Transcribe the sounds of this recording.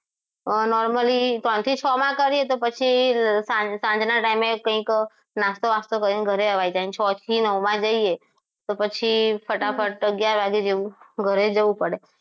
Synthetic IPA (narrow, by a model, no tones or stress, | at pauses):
nɔɾməlit̪ɔnt̪ʰit͡ʃʰɔmãkəɾiet̪opət͡ʃʰisãsãnd͡ʒnaʈaimekə̃ĩk | nast̪oʋast̪okəɾineɡʱəɾeəʋajd͡ʒaint͡ʃʰɔt̪ʰinəʋmãd͡ʒəie | t̪opət͡ʃʰifʰəʈafʰəʈəɡjaɾʋaɡed͡ʒeʋũɡʱəɾed͡ʒəʋũpəɽe